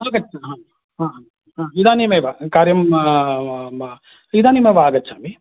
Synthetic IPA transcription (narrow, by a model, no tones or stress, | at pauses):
aːɡɐt͡ʃːɐɦaː | ɦaːɦaː | ɦãːid̪aːnimeːʋakaːɾjɐm | id̪aːnimeʋaːɡɐt͡ʃːʰaːmi